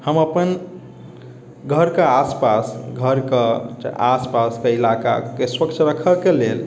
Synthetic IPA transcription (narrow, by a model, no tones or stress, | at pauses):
həməpən | ɡʱəɾkeaspasɡʱəɾkḛaspaskeilaka̰keswəkt͡ʃʰɾəkʰəkelel